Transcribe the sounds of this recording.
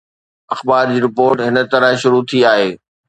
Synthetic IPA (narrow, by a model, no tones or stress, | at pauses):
ɐxbaːɾd͡ʑiːɾɪpoːɾʈɦɪnə̆t̪ɐɾəɦʃʊɾut̪ʰiaːɦeː